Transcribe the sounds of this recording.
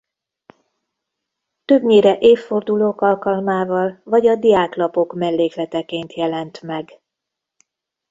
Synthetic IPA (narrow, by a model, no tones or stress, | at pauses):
t̪ø̞bɲeːɾɛʔeːfːo̞rd̪uloːkɒlkɒlmaːvɒlvɒɟɒd̪ijaːklɒpo̞kmɛlːeːklɛt̪ɛkeːnt̪jɛlɛnt̪mɛɡ